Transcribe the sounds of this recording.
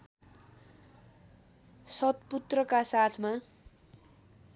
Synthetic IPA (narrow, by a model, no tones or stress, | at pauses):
sʌt̪put̪rʌkasat̪ʰma